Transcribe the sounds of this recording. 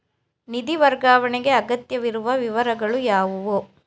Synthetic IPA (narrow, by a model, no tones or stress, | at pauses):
nid̪iʋɐɾɡaːʋɐɳeɡe̞ɐɡɐt̪jɐʋiɾuʋɐʋiʋɐɾɐɡɐɭujaːʋuʋo